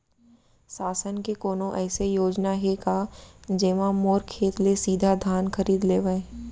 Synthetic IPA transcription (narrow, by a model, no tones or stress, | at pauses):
saːsənkekoːnõʔɛːsejoːd͡ʒnaɦekaːd͡ʒeːʋãmoːɾkʰːeːt̪lesiːd̪ʱad̪ʱaːnxɐɾiːd̪leːʋəẽ